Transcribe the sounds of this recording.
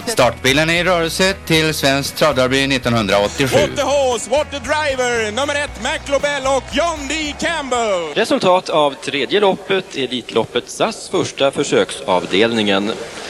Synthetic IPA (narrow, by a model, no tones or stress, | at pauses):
st̪ɑːʈbiːlənɪɾœːɾəlsət̪ʰɪlsvɛnsk̚t̪ʰɾɔːd̪ɑɾbyːnɪt̪ːɔnɦɵnd̪ɾaɔt̪ːɪɧʉ̰ːəhɔswɔt̪̚ədɾaɪvəɹnɵmːəɾɛt̪mæklobɛlɔkjɔnd̪ɪkʰæmbəlɾɛsɵlt̪ʰɑːt̪ʰavt̪ʰɾeːd̪jəlɔpːət̪ʰɛliːt̪ʰlʔɔpːət̪sasfœʂʈafœʂøːksɑːvd̪eːlnɪŋən